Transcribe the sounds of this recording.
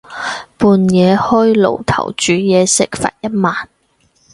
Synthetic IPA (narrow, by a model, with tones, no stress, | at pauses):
puː˨˧njɛː˨˧hɔː˥jlo̰˨˩wt̪ʰɐ̰˨˩wt͡ʃyː˨˥jɛː˨˧sɪ˨˥k̚fa̰ː˧t̚jɐ˥t̚maː˨n